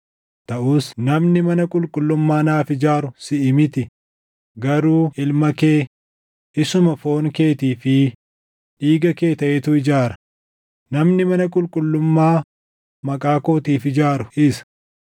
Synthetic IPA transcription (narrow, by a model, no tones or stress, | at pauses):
t̪ɐʔuːsnɐmnɪmɐnɐkʼʊlkʼʊlːʊmːaːnaːfɪd͡ʒaːɾʊsɪʔɪmɪt̪ɪ | ɡɐɾuːɪlmɐkeː | ɪsʊmɐfo̞ːŋke̞ːt̪iːfɪ | ᶑiːɡɐke̞ːt̪ɐʔet̪ʊɪd͡ʒaːɾɐ̥ | nɐmnɪmɐnɐkʼʊlkʼʊlːʊmːaː | mɐkʼaːko̞ːt̪iːfɪd͡ʒaːɾʊʔɪsɐ̥